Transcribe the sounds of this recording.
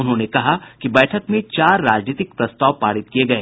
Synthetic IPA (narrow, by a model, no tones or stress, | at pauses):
ʊnɦõnekɐɦakibɛːʈʰəkmẽt͡ʃaːɾːaːd͡ʒniːt̪ɪk̚pɾɐst̪aːʋpaːɽɪt̪̚kijeɡɐeː